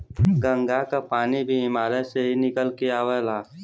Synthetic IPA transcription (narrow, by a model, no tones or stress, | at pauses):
ɡə̃ŋɡakapaːnibʱiɦɪmaːleseɦinɪkəlkeaːʋəlaː